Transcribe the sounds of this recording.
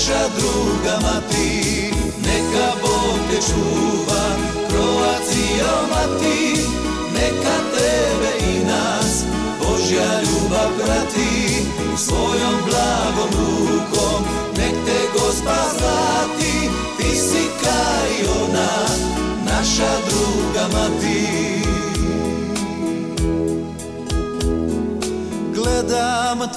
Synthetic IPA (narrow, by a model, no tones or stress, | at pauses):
ʃad̪ɾuːɡamat̪i | nɛkaboɡd̪ɛt͡ʃuːʋa | pɾoʋazijomat̪i | nɛkat̪ɛbɛina | s | boʒjaʎuːbapɾat̪i | usʋojomblaɡomukom | nɛkt̪ɛɡospazat̪i | t̪isikaiona | naʃad̪ɾuːɡamat̪i | ɡlɛd̪am